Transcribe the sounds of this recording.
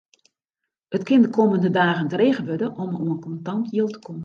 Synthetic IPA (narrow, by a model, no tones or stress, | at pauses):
ətkɪndəkʰoːməndədaːɣəntəreːɣəʋødəʔɔmoənkɔntɑntjilˠtə̥kʰɔmən